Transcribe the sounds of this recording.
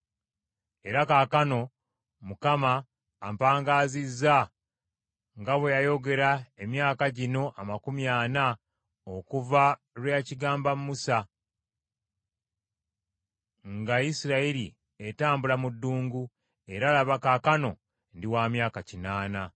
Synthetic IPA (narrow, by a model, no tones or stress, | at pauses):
e̞ɾakakano̞ | mukamaː | mpaːŋɡaːzizːa | ŋɡaβwejajo̞ɡe̞ɾaemjaːkaɟino̞ʔamakumjaːna | okuva | lwejaciɡaːmbamumusa | ŋɡajisiɾaiɾi | etaːmbulamudːuːŋɡu | e̞ɾaːlaβakaːkano̞ | ndiwaːmjaːkacinaːna